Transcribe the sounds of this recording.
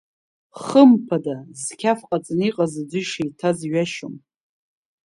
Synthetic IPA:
χəmpʰadazkʲʰafqʼat͡sʼniqʼazad͡zʷɨʂijtʰazɥaʃo̰m

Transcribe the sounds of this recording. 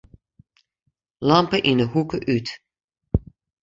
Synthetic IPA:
lampəʔinəhukəʔyt

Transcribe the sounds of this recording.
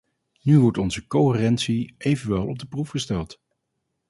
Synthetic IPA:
nyʋɔɹtɔnzəkoɪrɛntsiʔejvənʋɛlˠɔb̚dəprufχəstɛlˠt

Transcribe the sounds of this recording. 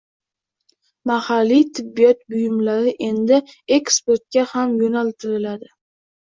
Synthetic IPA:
mahalːit̪ʰɪbːijɒt̪̚bʊjɪmlaɾɪʔe̞nd̪ɪe̞kspoɾt̪̚kʲahamjonalt̪ʰɪɾɪlad̪ɪ

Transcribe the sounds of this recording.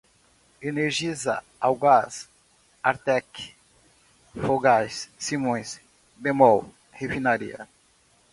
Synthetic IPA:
eneɾʒizɐ̰ | awɡas | aɾt̪ɛk | foɡajssimõj̃s | bemɔw | hefinaɾḭɐ̰

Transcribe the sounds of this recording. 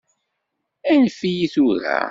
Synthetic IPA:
ænfijiθuɾæ̰

